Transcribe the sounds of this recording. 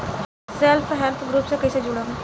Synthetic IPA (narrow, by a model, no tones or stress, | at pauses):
selpʰɦɛlp̪ʰɡɾuːpsekəɪsed͡ʒʊɽam